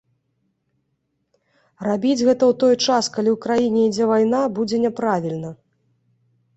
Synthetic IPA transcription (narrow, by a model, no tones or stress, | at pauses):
rabʲid͡zʲɣɛt̪ɐwt̪ɔjt͡ʂaskalʲiwkɾajinʲɛid͡zʲɛvajnabud͡zʲɛnʲɛpɾavʲilʲnɐ